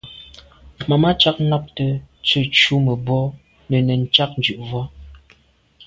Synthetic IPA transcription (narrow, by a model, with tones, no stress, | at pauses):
ma˨ma˦t͡ʃa˦k̚nɔ˦p̚tə˦t͡sə˦˨t͡ʃu˦mə˨bɔ˦ | nə˨nə˨n̩˦t͡ʃa˦k̚nd͡ʒʉ˨ʔvɔ˦